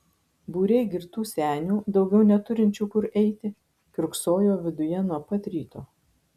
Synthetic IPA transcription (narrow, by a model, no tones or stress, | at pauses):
buːɾʲɛɪɡʲɪɾt̪uːsʲæːnʲuːd̪ɒʊɡʲɛʊnʲɛt̪ʊɾʲɪnʲt͡ʃʲuːkʊɾɛɪt̪ʲɪ | kʲɾʊksoːjoːʋʲɪd̪ʊjɛnuɔpɐt̪ʲɾʲiːt̪oː